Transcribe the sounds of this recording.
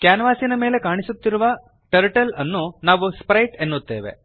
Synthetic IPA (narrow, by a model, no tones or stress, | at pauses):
kjaːnɐʋaːsinɐmeːle̞kaːɳisut̪ːiɾuʋɐ | ʈɐɾʈɐlɐnːunaːʋuspɾɐjʈenːut̪ːeːʋe̞̰